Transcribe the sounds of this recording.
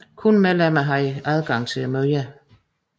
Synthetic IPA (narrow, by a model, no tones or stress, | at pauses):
kʰunmelæmæɦɑ̈iæðˠɡ̥ɑ̈ŋ̰t͡sʰe̝æmøjæ